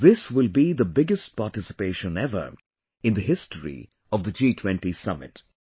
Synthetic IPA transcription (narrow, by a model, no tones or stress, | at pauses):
ðɪswɪlˠbiðəbɪɡəst̚paːʈɪsɪ̥peɪʃə̃nɛvə̰˞ | ɪ̃nd̪əɦɪstəɹḭ | ɔvd̪əd͡ʒiːtʰwɛ̃nʈisʌmɪ̰t